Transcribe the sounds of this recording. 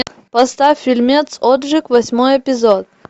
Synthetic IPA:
pɐst̪affʲːilʲmʲet̪sod̪ʐɨkvɐsʲmojɛpʲɪzot̪̚

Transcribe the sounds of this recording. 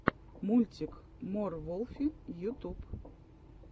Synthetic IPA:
mulʲtʲɪk | mɔrvɔlˠfʲɪjut̪up

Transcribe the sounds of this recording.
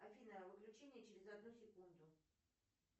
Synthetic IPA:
ɐvʲinəəvɨklʲʉt͡ɕenʲɪjət͡ɕɪɾʲɪzɐd̪nusʲɪkund̪ʊ

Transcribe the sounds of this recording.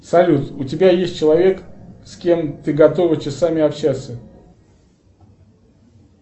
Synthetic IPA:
sɐlʲut̪ʊtʲɪbʲajesʲt̚ʲt͡ɕɪlˠɐvʲe̞kskʲe̞mt̪ɨɡɐt̪o̞vət͡ɕɪsamʲɪɐpɕat̪sə

